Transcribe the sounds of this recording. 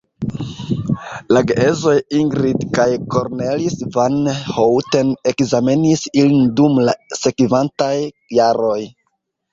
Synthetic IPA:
laɡeezo̞jiŋɡɾidkajko̞ɾnelisvanhowte̞ne̞kzamenisilindumlase̞kivantajː | aɾo̞j

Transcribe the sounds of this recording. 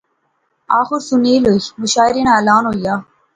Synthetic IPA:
aːxuɾsuniːlomuʃaːiɾinaːɐlaːnɦoːjaː

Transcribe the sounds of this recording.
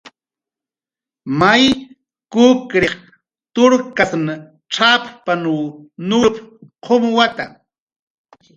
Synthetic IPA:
maj | kʊkɾeχ | t̪ʊɾkasn | ʈ͡ʂappanuːnʊpqʰomwat̪a

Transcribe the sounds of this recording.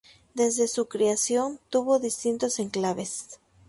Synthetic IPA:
d̪e̞zðe̞sukɾeasjo̞nt̪uβo̞ðist̪int̪o̞se̞ŋklaβe̞s

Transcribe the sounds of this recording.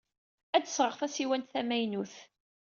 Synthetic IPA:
æd̪əsʁəʁθæsiwænt̪θæmæjnuθ

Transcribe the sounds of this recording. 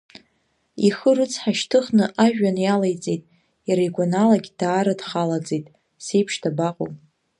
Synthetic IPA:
iχərɨt͡sʰħaʃtʰɨχnɨʔaʒᶣanjalajt͡sʼejtʼ | jaɾajɡʷanalaɡʲd̥aːɾadχalad͡zejtʼ | sejpʰʂtʰabaqʼo̰mʼ

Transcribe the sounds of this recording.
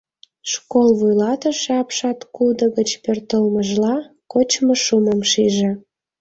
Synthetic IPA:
ʃkolβujlɑt̪əʃeɑpʃɑt̪kud̪ə̆ɣət͡ɕpørt̪əlməʒlɑ | kot͡ɕmoʃuməmʃiʒĕ

